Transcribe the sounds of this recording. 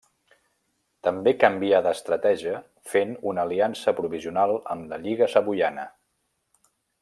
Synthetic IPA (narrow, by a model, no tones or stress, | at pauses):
t̪əmbekəmbiaðəst̪ɾət̪ɛʒiə | fenunəliansəpɾuβ̞iziunalˠə̰mləʎiɣəsəβuʎanə̰